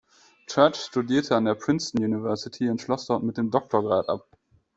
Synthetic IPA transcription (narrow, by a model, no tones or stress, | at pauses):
t͡ʃɛɐt͡ʃʃtudiːɐtʰəandeːɐpʁ̥ɪnstn̩juːnivɛɐsɪtʰiɪnʃlɔsd̥ɔɐtmɪt̚d̥eːmdɔk̚tʰoɐɡʁaːtʔa̰p̚